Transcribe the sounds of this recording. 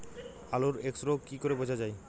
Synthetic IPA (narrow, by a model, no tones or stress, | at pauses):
aloɾeksɾokikoɾebod͡ʑʱad͡ʑaj